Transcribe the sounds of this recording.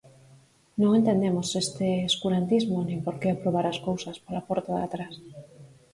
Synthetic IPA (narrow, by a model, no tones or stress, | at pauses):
nõŋent̪end̪emosest̪eeskuɾant̪izmonẽmpoɾkeapɾoβ̞aɾaskowsɐspalapoɾt̪oða̰t̪ɾas